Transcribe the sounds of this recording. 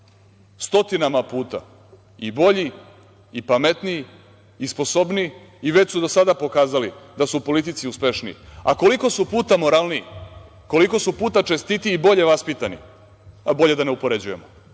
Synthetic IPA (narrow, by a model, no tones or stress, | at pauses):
st̪o̞t̪inamapuːt̪a̰ | ibo̞ʎiː | pamet̪niː | spo̞so̞bniː | ʋe̞t͡ɕsud̪o̞sad̪apo̞kaːzalid̪asupo̞lit̪̬it̪siuspʲeʃnḭa̰ko̞liko̞supuːt̪amo̞ɾalˠni | ko̞liko̞supuːt̪at͡ʃe̞st̪it̪iːbo̞ʎe̞ʋaspit̪anḭ | abo̞ʎe̞d̪aneupo̞ɾe̞d͡ʑuje̞̰mo